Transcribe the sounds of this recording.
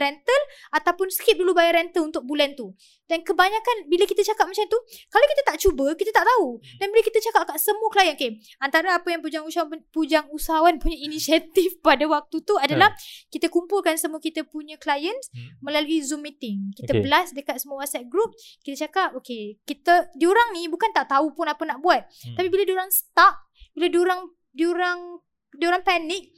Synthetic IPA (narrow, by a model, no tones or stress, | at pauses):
ɾɛnt̪əlat̪awpʊnsə̥kɪp̚dulubajaɾɛnt̪əlunt̪ʊk̚bulant̪u | dankəbaɲakanbiləkit̪at͡ʃakap̚mat͡ʃant̪ukalawkit̪at̪aʔt͡ʃubəkit̪at̪aʔt̪audanbiləkit̪at͡ʃakap̚kaʔsəmuəklajənoke | ant̪aɾaapajaŋpud͡ʒaŋusaawapud͡ʒaŋusaɦawanpuɲainisiat̪ifpadawak̚t̪ut̪uadalahkit̪akumpulkansəmuakit̪apuɲãklajənsmə̃laluizumːit̪ɪŋkit̪abəlasdəkat̪̚səmuawasɛt̪̚ɡɾup̚kit̪at͡ʃakap̚okekit̪ədioɾaŋnibukant̪aʔt̪aupunapənaʔbuat̪̚ːapibiladioɾaŋsə̥t̪ak̚ | biladioɾaŋ | dioɾaŋ | dioɾaŋpanɪk̚